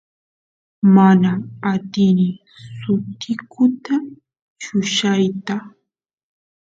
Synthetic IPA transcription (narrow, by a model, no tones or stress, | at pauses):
manaːt̪ɪnɪ | sʊt̪ɪkʊt̪a | t͡ʃʊʃajt̪a